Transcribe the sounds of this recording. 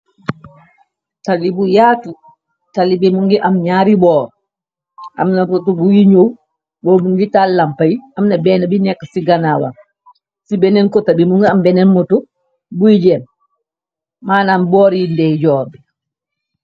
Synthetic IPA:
talːibujaːtu | talːibimuŋɡiʔamɲaɾibɔːɾ | ʔa̰mnatɔtubujiɲow | bɔmuŋɡitallampajiʔamnabɛnabinɛkːasiɡanawa̰m | sibɛnɛnkɔtabimuŋɡiambɛnɛnmɔtu | bujid͡ʒɛm | maːnambɔːɾindɛjd͡ʒɔːɛ

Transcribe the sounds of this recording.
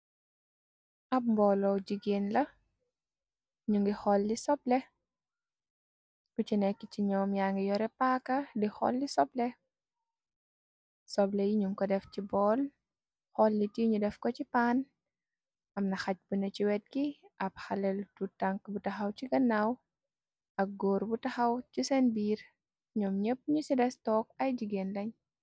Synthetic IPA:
ʔɐp̚mbɔːlɔwɟiɡeːnlɐ | ɲuŋɡixɔlːisɔblɛ | kucinɛkːiciɲɔːmjaŋɡijɔɾɛpakɐdixɔ̰lːisɔblɛ | sɔblɛjiɲuŋkɔdɛfcibɔːl | xɔlːitiɲudɛfkɔcipaːn | ɐmnɐxɐc̚bunɐt͡ʃiwɛt̚kiʔɐpxɐlɛltutaŋkbutɐxɐwt͡ʃiɡɐnaw | ɐk̚ɡoːɾbutɐxɐwcisɛnbiːr | ɲɔːmɲəp̚ːɲusidɛstɔːk̚ɐjd͡ʒiɡenlɐɲ

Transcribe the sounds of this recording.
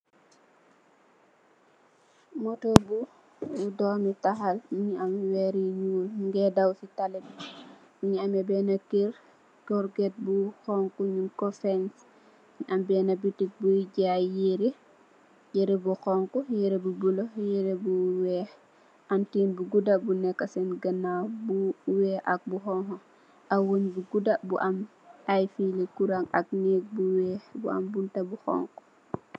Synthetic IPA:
motobu | udɔːmitaxalmiɲiamwɛːɾiɲuːlŋɡɛdawsitalɛd | muɲiamɛbɛnakeɾ | tɔɾɡɛt̚buxɔŋkuɲunkɔfɛns | ɲʔambɛːnabitik̚buɟajeɾi | jeɾebuxoŋkɔjeɾebubulojeɾebuwɛh | ʔantinbuɡudabunɛkːasɛnɡɐnawbuwɛːʔɐk̚buxɔŋkɔ | ʔawoɲbuɡudabṵʔɐm | ajfilekuɾaŋɐ̰k̚nek̚buwɛbṵa̰mbuntabuxɔ̰ːŋku̥

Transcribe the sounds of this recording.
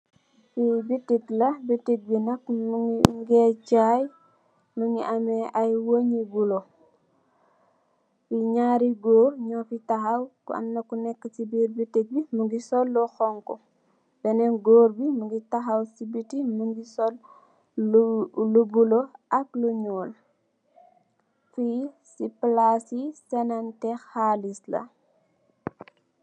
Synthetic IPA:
sibitːiklɐbitːik̚binɐkmɡet͡ʃaj | muŋɡiʔameʔajwoɲibulo | fiɲaːɾiɡoːɾɲɔːfitaɦawkṵɐ̰mnɐkunɛkːətibiːɾbitːik̚bimuɡisɔlːɔxɔŋkɔ | b̥ɛnɛnɡoːɾbimuɡitaxɐwsibitimuŋɡisɔl | lubuloɐkluɲuːl | fi | siplasisɛnantɛxhaːlislɐ̰

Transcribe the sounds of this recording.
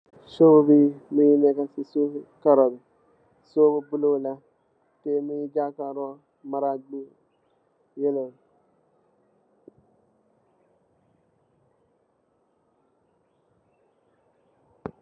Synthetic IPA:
sobubimijinɛkasisukaɾɔbi | sobubulola | temijid͡ʒakaɾɔ | maɾaɡ͡bu | jelo

